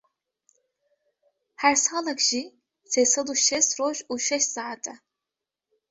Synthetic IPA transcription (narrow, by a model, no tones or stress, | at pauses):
hæɾsɑːlˠakʒi | sejsɐd̪uʃɛsɾoʒuʃɛʃsaːʕat̪ʰɛ